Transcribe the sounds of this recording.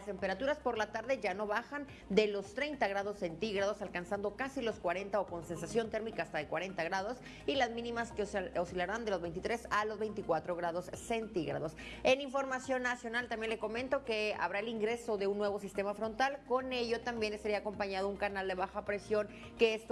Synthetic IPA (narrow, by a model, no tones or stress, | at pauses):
st̪empe̞ɾat̪uɾaspo̞ɾlat̪aɾðe̞ʝano̞βaxan | d̪e̞lo̞st̪ɾe̞jnt̪aɣɾað̞o̞sːe̞nt̪iɣɾað̞o̞salkansand̪o̞kasilo̞skwaɾe̞nt̪aoko̞nse̞nsasjo̞nt̪e̞ɾmikaːst̪aðekwaɾe̞nt̪aɣɾaðo̞s | ilazmĩnĩmaskeosilaɾand̪e̞lo̞zβe̞jnt̪̬it̪ɾe̞salo̞zβe̞jnt̪ikwat̪ɾo̞ɣɾaðo̞sːe̞nt̪iɣɾa̰ðo̞s | e̞niɱfo̞ɾmasjo̞nːasjo̞nalt̪ambje̞nleko̞mẽnt̪o̞ke̞a̰βɾaeliŋɡɾe̞so̞ðe̞unːwe̞βo̞sist̪e̞mafɾo̞nt̪alko̞ne̞ʝo̞t̪ambje̞nesaɾiako̞mpaɲað̞ouŋkanald̪e̞βaxapɾe̞sjo̞ŋ | ke̞est̪